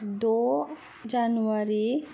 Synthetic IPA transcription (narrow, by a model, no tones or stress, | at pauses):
d̪o | d͡ʒanuaɾi